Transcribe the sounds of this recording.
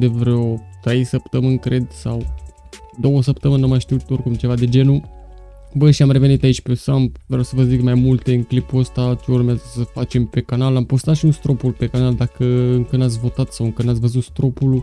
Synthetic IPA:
d̪evɾeot̪ɾe̞jsəpt̪əmɨnkɾe̞d̪saw | d̪o̞wəsəpt̪əmɨnəmajʃt̪iut̪o̞rkumt͡ʃe̞vad̪e̞d͡ʒe̞nu | bəʃiamre̞ve̞nit̪ait͡ʃʲpesamvɾeawsəvəzikmajmult̪e̞ɨnklipuəst̪at͡ʃeurmeazəsəfat͡ʃe̞mpe̞kanalampost̪at̪ʃiunst̪ɾo̞pulpe̞kanald̪akəɨŋkɨnat̪sʲvo̞t̪at̪sawɨŋkɨnat̪sʲvəzut̪st̪ɾo̞pul

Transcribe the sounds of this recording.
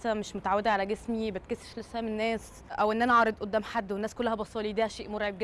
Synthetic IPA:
sːæmeʃmot̪aʕawed̪æʕalæɡesmibæt̪̚keseʃlesːæmenːæːs | ʔæwʔenːʔænæʕɑːɾˤed̪ʔod̪ːæːmħad̪ːwenːæːskolːæhæbɑsˤɑːlid̪iːhæʃeːʔmoɾʕeb̚ɡ

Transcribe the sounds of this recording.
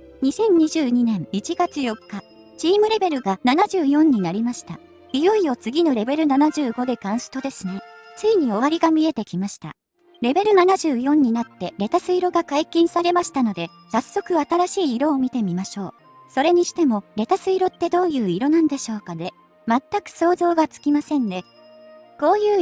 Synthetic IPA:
ɲ̟isẽ̞ɲ̟ɲːiʑɨːɲ̟inẽ̞nit͡ɕiɡat͡sɨjo̞kːa | t͡ɕiːmɯ̟ɾe̞be̞ɾɯ̟ɡananaʑɨːjõ̞ɲ̟ːinaɾʲimaɕi̥t̪a̰ | ɡʲijɯijo̞t͡sɨɡʲino̞ɾe̞be̞ɾɯ̟nanaʑɨːɡo̞d̪e̞kãɰ̃sɨ̥t̪o̞d̪e̞sɨne̞t͡sɨiɲ̟io̞β̞aɾʲiɡamʲie̞t̪e̞kʲimaɕi̥t̪a̰ | ɾe̞be̞ɾɯ̟nanaʑɨːjõ̞ɲ̟ːinat̪ːe̞ɾe̞t̪asɨiɾo̞ɡakaikʲĩɰ̃saɾe̞maɕi̥t̪ano̞d̪e̞ | sasːo̞kɯ̟at̪aɾaɕiːɾo̞ːmʲit̪e̞mʲimaɕo̞ː | so̞ɾe̞ɲ̟iɕi̥t̪e̞mo̞ɾe̞t̪asɨiɾo̞t̪ːe̞d̪o̞ːjɯ̟ːiɾo̞nãnd̪e̞ɕo̞ːkad̪e̞ | mat̪ːakɯ̟̥so̞ːzo̞ːɡat͡sɨ̥kʲimasẽ̞nd̪e̞ | ko̞ːjɯː

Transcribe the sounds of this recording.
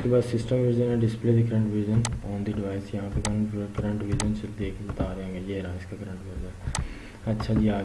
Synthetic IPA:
kebaːd̪sɪsʈəmʋiːd͡ʒənɛ̃ɖɪspleːd̪ikəɾə̃ɳʈʋid͡ʒənɔːnd̪iɖɪʋaːɪsjɐɦãpekɐkɐɾə̃ɳʈʋiːd͡ʒənsʊld̪eːkʰebt̪aːɾeãːŋɡejeːɾaːɪskakɐɾə̃ɳʈʋiːd͡ʒən | ɐtːʃʰad͡ʒiaː

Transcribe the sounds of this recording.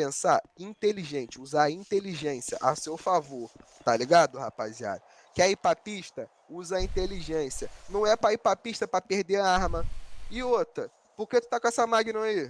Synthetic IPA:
pẽsaĩnt̪eliʒẽnt͡ʃɪuzaɾɐĩnt̪eliʒẽsiɐ̰ʔasewfavoɾt̪aliɡad̪ʊhapazia̰ɾʊ | kɪaipapiʃt̪ɐ | uzɐaĩnt̪eliʒẽsiɐnɐ̃w̃ɛpɾɐaipapiʃt̪ɐpɾɐpehd̪eɾaɾmɐɪot̪ɾɐ | poɾket̪u̥t̪akõɛsɐmaɡinɐ̃ai

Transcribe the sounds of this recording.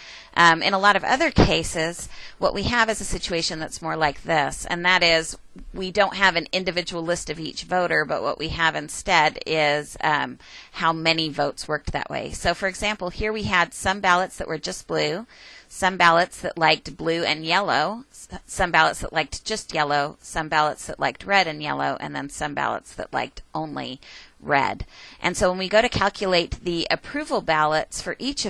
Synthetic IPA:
ʔmɨ̰̃nəlɔɾʌvʌ̰ðə˞kʰeɪsɪz̥wʌ̰ʔwiɨvɨzɨsɪt͡ʃʉeɪʃɨ̃nðɨtsmɔɹlaɪk̚ðɪsɨ̰̃nðɨɾɪz | widõʊ̃nt̚ɦɨvɨ̃nɪ̃ndɨvɪd͡ʒɨwl̩ˠlɪstʌvit͡ʃvoʊɾə˞bʌ̰ʔwʌ̰ʔwiɨvɨ̃nstɛɾɪz̥ | haʊmɛnivoʊtswɜ˞k̚ðɨ̰ʔwḛɪsoʊfə˞ɨɡzæ̃mpl̩ˠhiɹwiɨd̥sʌ̃mbælˠətsðɨ̰ʔwə˞d͡ʒʌs̚b̥lʉsʌ̃mbælˠətsðɨ̰ʔˡlaɪk̚t̚b̥lʉɨ̃njɛlˠoʊsʌ̃mbælˠətsðəʔlaɪk̚t̚d̥ʒ̥ʌst̚jɛlˠoʊsʌ̃mbælˠətsðəʔˡlʔa̰ɪk̚t̚ʰɹɛɾɨ̃njɛ̰lˠoʊʔɨ̰̃nðɨ̃nsʌ̃mbæ̰lˠə̰tsðɨ̰ʔˡla̰ɪk̚tʔõʊ̃nlḭɹɛ̰dʔɨ̃nsoʊwə̃nwiɡoʊɾɨkʰælˠkʰjɨleɪt̪̚ðiʔɨpʰɹ̥ʉvl̩ˠbælˠətsfə˞ʔit͡ʃʌ

